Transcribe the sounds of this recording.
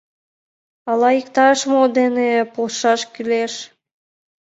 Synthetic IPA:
ɑlɑikt̪ɑʃmod̪enepoʃɑʃkyleʃ

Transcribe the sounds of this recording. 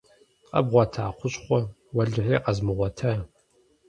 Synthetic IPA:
qɐ̰bʁʷɔtʰaːχʷʊɕχʷɔ | wɐɮɨħeːqɐzmɨʁʷɔtʰa

